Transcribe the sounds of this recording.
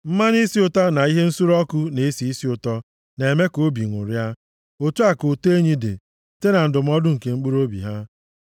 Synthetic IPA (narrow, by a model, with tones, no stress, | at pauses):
m̩˦ma˦n˦i˦si˦ʊ˦ta˦na˨i˦ɦe˦n̩˦su˦ɾɔ˦kʊ˦ne˨e˦si˨i˦si˦ʊ˨tɔ˦ | ne˨e˨me˦ko˦bi˨ŋʷʊ̰˨ɾja˦ | o˨tu˦a˨ko˨to˦e˦ɲi˦dḛ˨ | te˦na˨n̩˦dʊ˨m̩˦ɔ˦dʊ˦ŋ̩˨ke˨ŋ͡m̩˦k͡pu˦ɾo˦bḭ˨ɦa˦